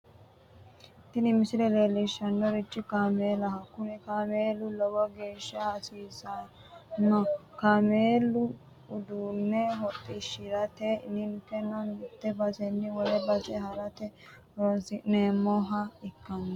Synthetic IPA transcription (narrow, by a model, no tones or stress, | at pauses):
t̪ɪnɪmɪsɪlɛleːlːɪʃːɐnːɔɾɪt͡ʃːɪkaːmeːlɐhɐkːʊnɛkameːlːʊlɔwɔɡe̞ːʃːɐɐsiːsɐ | nːɔkameːlːʊ | ʊd̪uːnːɛɦɔt̪ʼːɪʃɪɾɐt̪ɛɪnɪntːɛnɔnɪt̪ːɛbɐzɛnːɪwɔlɛbɐzɛhɐɾɐt̪ɛ | ɾosɪnemːɔɦɐɪkːɐn